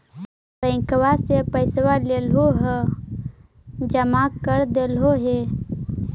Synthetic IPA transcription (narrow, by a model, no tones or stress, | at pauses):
bə̃ɪkwasepəɪswalelɦoɦə | d͡ʒəmaːkːəɾd̪eːlɦoɦeː